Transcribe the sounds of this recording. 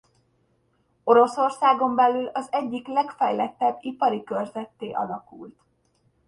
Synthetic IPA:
o̞ɾo̞so̞rsaːɡo̞mbɛlylɒzɛɟːiklɛkfɛjlɛt̪ːɛbːipɒɾikørzɛt̪ːeːʔɒ̰lɒkult̪

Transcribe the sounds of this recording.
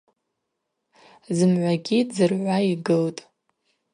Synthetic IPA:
zɨmʕʷaɡʲid͡zɨrʕʷaiɡɨltʼ

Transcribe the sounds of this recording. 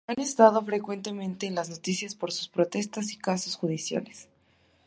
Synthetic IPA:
ane̞st̪að̞o̞fɾe̞kwe̞nt̪e̞mẽ̞nt̪e̞ːnlazno̞t̪isjaspo̞ɾsu̥spɾo̞t̪e̞st̪asikasosxuðisja̰les

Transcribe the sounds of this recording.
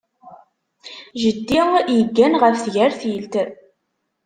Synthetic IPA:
ʒəd̪ːijəɡːænʁəfθʝæɾθilt̪

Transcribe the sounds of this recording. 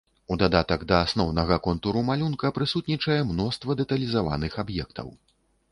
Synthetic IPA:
ud̪ad̪at̪ɐɡd̪ɐasnɔwnɐɣɐkɔnt̪uɾumalʲunkɐpɾɨsut̪nʲit͡ʂɐjɛmnɔst̪vɐd̪ɛt̪ɐlʲizava̰nɨxabjɛkt̪ʰɐ̰w

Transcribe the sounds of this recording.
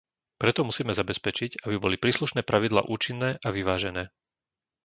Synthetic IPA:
pɾɛt̪ɔmusiːmɛzabɛspɛt͡ʃiɟabibɔlipɾiːsluʃnɛːpɾaʋid̪la̰ːʔuːt͡ʃinːɛːʔaʋiʋaːʒɛnɛː

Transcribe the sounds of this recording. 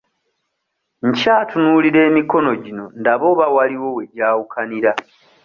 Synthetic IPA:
ɲcaːtunuliɾe̞ːmiko̞no̞ɟino̞ndaβo̞ːβawaliwo̞we̞ɟaːwukʰaniɾa

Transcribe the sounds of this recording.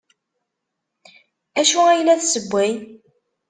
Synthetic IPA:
æʃuæjlːæθsəbʷːæj

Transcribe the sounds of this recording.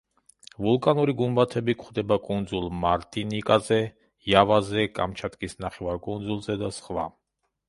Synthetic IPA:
vulkʼanuɾiɡumbat̪ʰɛbikʰχd̪ɛbakʼund̪zulˠmaɾt̪ʼinikʼazɛ | javazɛkʼamt͡ʃʰat̪ʼkʼisnaχɛvaɾkʼund̪zulˠzɛd̪asχva̰

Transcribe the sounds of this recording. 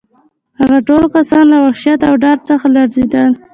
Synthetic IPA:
haɣaʈolkasɑnlawaxʃjat̪awɖɑɾ̚t͡səxalaɾzed̪əl

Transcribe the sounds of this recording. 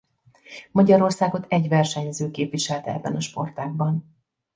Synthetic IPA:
mɒɟɒɾo̞rsaːɡo̞t̪ɛɟʋɛrʃɛɲzøːkeːpvʋiʃɛlt̪ɛɛ̰bːɛnɒʃpo̞rt̪aːɡ̚bɒn

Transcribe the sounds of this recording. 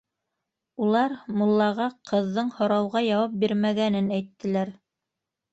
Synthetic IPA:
ulˠɑɾmulˠːɑʁɑqʰɤ̆ðːɤɴhŏɾɑwʁɑjɑwɑp̚biɾmæɡænɘnæjt̪ːɘ̆læɾ

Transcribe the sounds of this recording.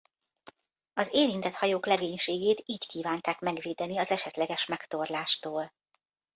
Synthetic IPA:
ɒzeːɾint̪ɛt̪hɒjoːklɛɡeːɲʃeːɡeːt̪iːckiːvaːnt̪aːkmɛɡʋeːd̪ɛniɒzɛʃɛt̪lɛɡɛʃmɛkt̪o̞rlaːʃt̪oːl

